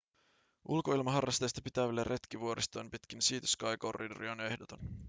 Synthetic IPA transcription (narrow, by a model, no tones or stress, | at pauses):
ʔulko̞ilmɑɦɑrːɑst̪ejst̪ɑpit̪æʋælːerʔe̞t̪kiʋuo̞ɾʔist̪ojmpit̪kinsiːt̪y̥skɑjko̞rːḭdo̰ɾione̞hdot̪on